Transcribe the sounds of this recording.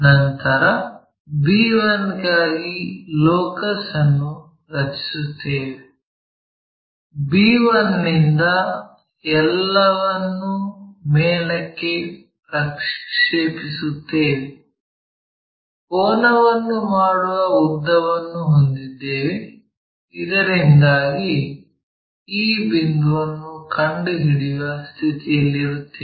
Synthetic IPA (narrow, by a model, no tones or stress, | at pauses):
nɐnt̪ɐɾɐ | biːʋɐnɡaːɡilɔːkɐsɐnːu | ɾɐt͡ʃi̥sut̪ːeːʋe | biːʋɐnːind̪ɐ | ɛlːɐʋɐnːumeːlɐkːe̞ | pɾɐkʂeːpisut̪ːeːʋe | ɔːnɐʋɐnːumaːɽuʋɐud̪ːɐʋɐnːuɦond̪id̪ːeːʋe | id̪ɐɾind̪aːɡi | iːbind̪uʋɐnːukʰɐɳɖuɦiɽiʋɐst̪ʰit̪ijɐlːiɾut̪ːe